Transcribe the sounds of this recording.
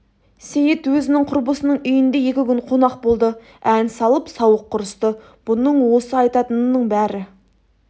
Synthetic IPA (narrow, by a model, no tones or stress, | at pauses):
sejɪt̪wɵzɪnɪŋqʰʊɾbəsənəɴʏjɪnd̪eje̞kʲɪkʲʏnqʰo̞nɑq̚bo̞lˠd̪ə | ænsɑlˠəpsɑwəqʰːʊɾəst̪ə | b̥ʊnəɴwo̞səɑjt̪ɑt̪ənːəɴbæɾɪ